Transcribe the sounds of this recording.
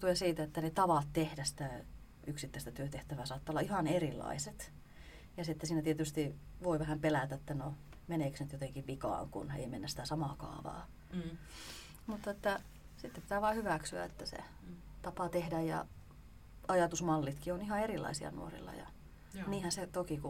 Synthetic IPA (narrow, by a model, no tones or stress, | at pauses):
t̪uensiːt̪æet̪ːænet̪ɑʋɑt̪t̪ehdæsi̥t̪æ | yksit̪ːæˑist̪æt̪yøt̪eht̪æʋæːsɑːt̪ːɑolːɑihɑnerilːˑɑ̰iset̪ | jɑseet̪ːæsiːnæt̪iet̪yst̪i | ʋoiʋæhæmpelæt̪æet̪ːæno | meneˑksnyt̪jot̪eŋkiʋʋikɑ̰ːŋkṵnḛimenːæssi̥t̪æsɑmɑkɑ̰ːʋɑ̰ː | mut̪ːɑet̪ːæ | sit̪ːeppi̥t̪æːʋɑːhyʋæksyæ̰ḛt̪ːæsḛ | t̪ɑpɑt̪ehdæjjɑ̰ | ɑjɑt̪usmɑlːit̪kionihɑerilːˑɑ̰isiɑ̰nṵorḭlːɑ̰jɑ̰ | niːhænset̪okiku